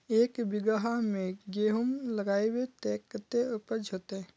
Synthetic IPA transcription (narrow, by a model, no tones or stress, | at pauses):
eːkbɪɡəɦamẽɡeːɦʊmlɐɡaːewet̪ɛːkt̪eʊpəd͡ʒɦot̪eɛ̃